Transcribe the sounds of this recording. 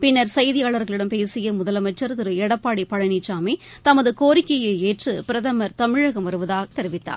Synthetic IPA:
pɪnːɐɾsɐjðɪjaːɭɐɾɣɐɭɪɽɐmpeːsɪjɐmʊðɐlɐmɐt͡ʃːɐɾt̪ɪɾɯɛɽɐpːaːɽipɐɻɐɳit͡ʃːaːmit̪ɐmɐðɯkoːɾɪkːɐjɐeːʈrɯpɪɾɐðɐmɐɾt̪ɐmɪɻɐɣɐmʋɐɾɯʋɐðaːɣɐt̪ɛɾɪʋɪt̪ːa̰ː

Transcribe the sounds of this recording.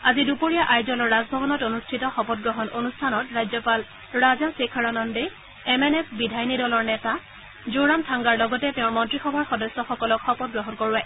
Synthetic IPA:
azidupoɹijaʔajzɔlɔɹːazbʱɔbɔnɔtonustʰitɔxɔpɔt̚ɡɹɔɦɔnʔonustʰanɔtɹajzɔpal | ɹazasekʰaɹanɔnde | ɛmɛnɛpbidʱajnidɔlɔɹnɛta | zoɹamtʰaŋɡaɹlɔɡɔtɛtɛʊ̃ɹmɔntɹixɔbʱaɹxɔdɔsɔxɔkɔlɔkxɔpɔt̚ɡɹɔɦɔnkoɹuɛ

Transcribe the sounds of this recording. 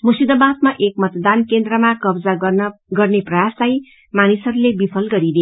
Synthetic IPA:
musid̪ʌbat̪maʔekmʌt̪d̪ankend̪rʌmakʌbd͡zaɡʌrneprʌjaslaj | manisʌɾulebipʰʌlɡʌɾid̪e

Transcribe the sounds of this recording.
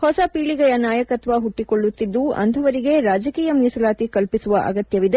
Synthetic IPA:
hɔsɐpiːɭiɡɐjɐnaːjɐkɐt̪ʋɐɦuʈːiko̞ɭːut̪ːid̪ːuɐ̰nt̪ʰɐʋɐɾiɡe̞ɾaːd͡ʒɐkiːjɐmiːsɐlaːt̪ikɐlpisuʋɐʔɐ̰ɡɐt̪jɐʋid̪e̞

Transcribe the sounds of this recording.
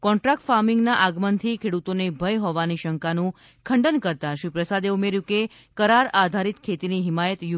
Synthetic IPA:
kɔ̃ɳʈɾak̚ʈfaɾmɪŋɡnaʔaɡmənt̪ʰikʰeɽut̪onebʱəjɦɔʋaniʃəŋkanũ | kʰəɳɖənkəɾt̪aʃʋipɾəsad̪eumeɾjũke | kəɾaɾad̪ʱaɾit̪kʰet̪iniɦɪmajət̪ju

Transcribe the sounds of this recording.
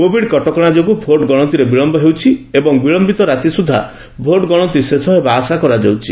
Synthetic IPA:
kobʱiɖkɔʈɔkɔɽ̃ad͡ʒɔkubʱoʈɡɔɽ̃ɔnt̪̬iɾebiɭɔmbɔɦewt͡ʃʰiebɔŋbiɭɔmbit̪ɔɾat̪isud̪ʱːa̰ | bʱoʈɡɔɽ̃ɔnt̪isesɔɦebaːsakɔɾad͡ʒewt͡ʃʰi

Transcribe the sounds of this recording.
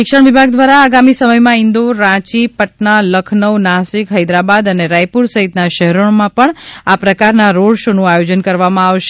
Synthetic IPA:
ʃɪkʃəɳʋibʱaɡ̚d̪ʋaɾaːɡamisəməjmãɪnd̪oɾãt͡ʃipəʈnaləkʰnəʋnasikɦəjd̪ɾabad̪əneɾajpuɾsəɦit̪naʃəɦɾoɳmãpəɳapɾəkaɾnaɾoɽʃonũajod͡ʒənkəɾʋamãaʋʃe

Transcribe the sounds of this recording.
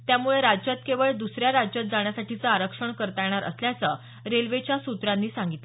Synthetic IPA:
t̪jamuɭeɾad͡ʑd͡ʑət̪keʋəɭd̪usɾjaɾad͡ʑd͡ʑət̪̚d͡zaɳjasaʈʰit͡səaɾəkʂəɳkəɾt̪ajɽ̃aɾə̰sljat͡sə | ɾelʋet͡ɕjasut̪ɾanːiːsaŋɡit̪le

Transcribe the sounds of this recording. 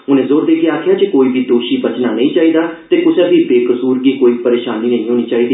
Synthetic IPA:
ʊnẽːzoːɾd̪eːkeaːkʰjaːt͡ʃekoːiːbʱiːd̪oːʃiːbət͡ʃnaːnəĩːt͡ʃaːiːd̪aːt̪eːkʊsɛ̃ːbiːbeːkəsuːɾɡiːkoːiːpəɾeːʃaːniːnə̃ĩːɦoːniːt͡ʃaːɦiːd̪iː

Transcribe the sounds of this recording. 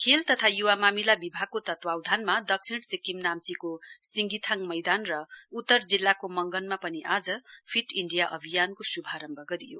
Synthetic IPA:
kʰelt̪ʌt̪ʰajuwamamilabibʱaɡ̚kːot̪ʌt̪wawd̪ʱanmad̪ʌksʰiɳʈsikimnamt͡sikosiŋɡit̪ʰaŋmʌjd̪anrʌut̪ːʌrd͡zilːakomʌŋɡʌnmapʌniʔad͡zʌpʰiʈiɳɖijaʔʌbʱijankosubʱaɾʌmbʱʌɡʌɾijo̰

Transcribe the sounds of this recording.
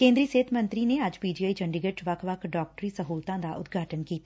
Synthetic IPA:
kẽːnd̪ɾiːseːt̪ʰmə̃nt̪ɾineɐd͡ʒpiːd͡ʒiaːid͡ʒə̃ɳɖɪɡəʈʋɐkʰʋəkʰɖɔːk̚ʈɾiːsəɦuːlt̪ãd̪aʔʊ̰t̪ɡʱaːʈənkiːt̪ː

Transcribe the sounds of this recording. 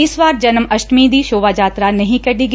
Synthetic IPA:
ɪsʋaːɾd͡ʒɐnmɐʃʈmĩd̪iːʃoːʋaːd͡ʒaːt̪ɾanɐɦĩkɐɖiːɡ

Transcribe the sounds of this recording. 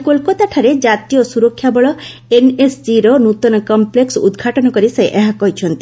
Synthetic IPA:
kolkɔt̪aʈʰaɾed͡ʒat̪ijɔsuɾɔkʰːjabɔɭɔ | enesd͡ʒiɾɔnut̪ɔnɔkɔmpleksud̪ɡʱaʈɔnɔkɔɾisajʔeɦakɔɦit͡ʃʰɔnt̪i

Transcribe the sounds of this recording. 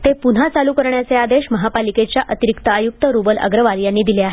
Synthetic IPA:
t̪epun̤at͡salukəɾɳjat͡sead̪eɕməɦapaliket͡ɕjaʔət̪iɾikt̪əːjuk̚t̪əɾubələ̰ɡɾəʋaljanːiːd̪ileaɦe

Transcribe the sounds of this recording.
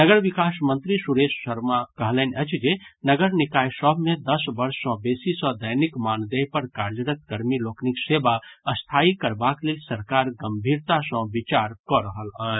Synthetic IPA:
nəɡəɾbikasmənt̪ɾisuɾessəɾmakəɦlənət͡ʃʰd͡ʒenəɡəɾnikajsəbʱmed̪əsbəɾsːə̃besisə̃d̪əjnikmand̪epəɾkaɾd͡ʒəɾət̪̚kəɾmilokniksebaəst̪ʰaikəɾbaklelsəɾkaɾɡəmbʱiɾt̪asə̃bit͡ʃaɾkɔɾəɦələ

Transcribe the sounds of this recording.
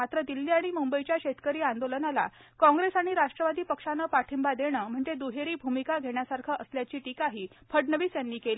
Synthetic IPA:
mat̪ɾəd̪ilːiːaɽ̃imumbəit͡ɕjaɕet̪kəɾiːand̪olənala̰kɔ̃ŋɡɾesaɽ̃iɾaʂʈɾəʋad̪iːpəkʂanəːpaʈʰimbad̪eɽ̃əm̤əɳd͡zed̪uɦeɾiːbʱumikaɡʱeɳjasaɾkʰəʔəsljat͡ɕiːʈikaɦiːpʰəɽnəʋiːsjanːiːkeli

